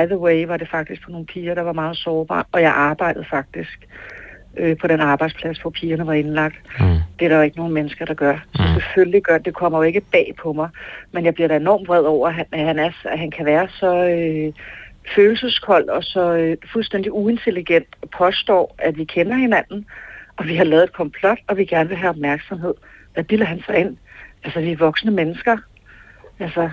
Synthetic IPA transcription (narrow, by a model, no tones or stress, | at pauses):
ɪðəweɪʋɑ̈ɾe̝fɑ̈ɡ̥̚d̥isɡ̥pʰɒno̝ːn̩pʰiːɐɾ̥ɑ̈ʋɑ̈mɑ̈ːð̞̩ˠsɒːb̥ɑ̰̈ːʔɒ̽jɑ̈ɪʔɑ̈ːb̥ɑ̈ɪ̰d̥ð̩ˠfɑ̈ɡ̥̚d̥isɡ̥ | øpʰɒ̽ɾenɑ̈ːb̥ɑ̈ɪd̥spʰlæsʋɒpʰiːɐnɐʋɑ̈e̝nlɑ̈ɡ̥̚d̥d̥eɾɑʋe̝ɡ̥əno̝ːn̩menəsɡ̥ɐɾ̥ɑ̈ɡ̥ɶɐsɒ̽sefølliɡ̥ɶɐd̥e̝kʰɒ̽m̰ɐjo̝e̝ɡ̥əb̥ɛ̰ːpʰɒ̽mɑ̈ɪmenjɑ̈ɪb̥liɐɾæe̝nɒ̰ːm̥ʁɛð̰ˠɒʊ̰ɐɦææɦænæɐsæɦænkʰæʋæːɐsɒ̽ø | føːl̩səskʰɒ̽l̰d̥ɒ̽sɒ̽øfulsd̥en̰d̥iue̝nt͡sʰe̝liɡ̥en̰d̥ɒpʰɒ̽sd̥ɒ̰ːæʋikʰenɐhe̝næn̰n̩ʔɒ̽ʋiɦɑ̈lɛːð̩ˠed̥kʰɒ̽mpʰlɒ̽d̥ɒ̽ʋiɡ̥æɐnəʋe̝ɦæɒb̥̚mæɐɡ̥sɒ̽mɦe̝ð̰ˠʋæb̥ilɐɦænsɑ̈ɪe̝n̰ælsɐʋiæʋɒ̽ɡ̥snəmenəsɡ̥ɐ | ælsɐ